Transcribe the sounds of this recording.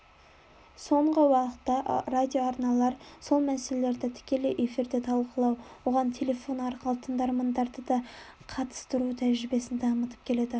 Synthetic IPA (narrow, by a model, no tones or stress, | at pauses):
so̞ɴʁəwɑqə̥t̪ːɑrad̪ʲijo̞ɑɾnɑlˠɑɾso̞lˠmæsele̞le̞ɾd̪ɪt̪ʰɪ̥kʲe̞lejʔe̞fiɾd̪e̞t̪ʰɑlˠqəlˠɑwwo̞ʁɑnt̪ʲʰe̞lʲe̞fo̞nɑɾqəlˠət̪ʰənd̪ɑɾmɑnd̪ɑɾd̪əd̪ɑ | qʰɑt̪ə̥st̪əɾut̪ʰæʒɾɪbe̞sɪnt̪ʰɑmət̪ə̥p̚kʲʰe̞le̞d̪ɪ